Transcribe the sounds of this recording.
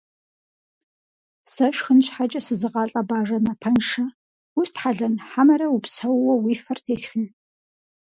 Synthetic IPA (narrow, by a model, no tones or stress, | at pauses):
sɐʃxɨnɕħat͡ʃʼɐsɨzɨqɑːɬʼɐbaːʒɐnɐpʰɐnʂɐ | ʊstħaɮɐnħamɐɾɐwupsɐwwɔwiːfɐrtʰeːsxɨn